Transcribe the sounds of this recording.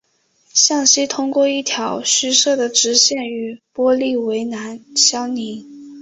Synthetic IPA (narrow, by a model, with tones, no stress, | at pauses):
ɕjɑ˥˩ŋɕi˥t̪ʰʊ˥ŋkwɔ˥˧i˥˩t̪ʰjɑ˧˥ʊɕy˥ʂɤ˥˩d̪ə˩ʈ͡ʂɻ̩˧˥ɕjɛ˥˩ny˧˥pwɔ˥li˥˩we˧˥ɪna˧˥nɕjɑ˥ʊni˧˥